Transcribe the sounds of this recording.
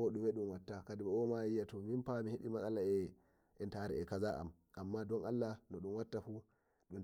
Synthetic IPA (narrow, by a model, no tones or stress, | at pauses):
ɔɗumɛɗumwatːakadimɛɔmaijːatɔminpamihiɗimasalaɛ | ɛntaɾɛ̰ɛkazaʔa̰m | ʔamːadɔnalːanɔɗumwatːafu | ɗun